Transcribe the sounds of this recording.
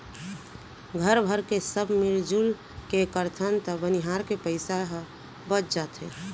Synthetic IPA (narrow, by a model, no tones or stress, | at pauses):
ɡʱəɾbʱəɾkesəbʱmiɾd͡ʒul | kekəɾt̪ʰənt̪əbəniɦaɾkepəɪsaɦ | bət͡ʃd͡ʒat̪ɦe